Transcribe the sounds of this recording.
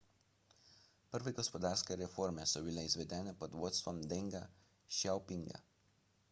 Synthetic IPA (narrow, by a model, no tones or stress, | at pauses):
pʲɐɾʋɐɪɡɔspɔd̪ɑːɾskɐjɐɾʲɛfɔɾʲmʲesɔʋʲɪlʲɛɪsʋʲɛd̪ʲæːnʲɛpɐd̪ʋuɔt̪sʋɔmd̪ʲɛŋɡɐ | ʃʲaʊpʲɪŋɡɐ̰